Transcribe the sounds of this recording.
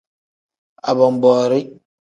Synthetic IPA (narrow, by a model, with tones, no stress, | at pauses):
a˨bɔ˨m˨bɔː˨ɾi˦